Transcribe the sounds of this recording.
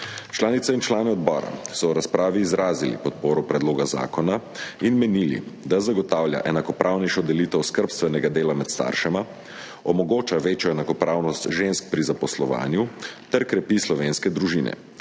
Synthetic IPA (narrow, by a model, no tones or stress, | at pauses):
t͡ʃlaːnit̪sɛint͡ʃlaːnɛɔd̪bɔːɾa̰sɔwɾaspɾʔaːʋiːzɾʔaːzilḭpɔt̪̚poːɾɔpɾɛd̪loːɡaza̰ːkɔnainmɛniːlḭd̪azaɡɔt̪aːwlja̰ʔɛnakɔpɾʔawnɛjʃɔd̪ɛliːt̪ɛwskəɾpst̪ʋɛnɛɡad̪eːlamɛt̪st̪a̰ːɾʃɛma | ɔmɔɡoːt͡ʃaʋeːt͡ʃjɔɛnakɔpɾaːwnɔst̪ʒensk̚pɾizapɔslɔʋa̰ːnjut̪ɛɾkɾɛpislɔʋenskɛd̪ɾuʒiːnɛ̰